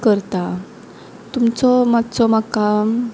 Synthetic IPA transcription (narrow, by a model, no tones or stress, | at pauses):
kəɾt̪a | t̪umt͡sɔmad̪t͡sɔmaka